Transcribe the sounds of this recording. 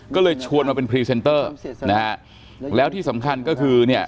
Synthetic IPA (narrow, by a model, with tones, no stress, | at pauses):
kɔː˥˩lɤː˧jt͡ɕʰu˧ənwaː˧pe˧npʰɾiː˧se˧nt̪ɤː˥˩na˦˥a˦˥ | lɛː˦˥wt̪ʰiː˥˩sa˩˦mkʰa˧nkɔː˥˩kʰɯː˧ni˥˩ə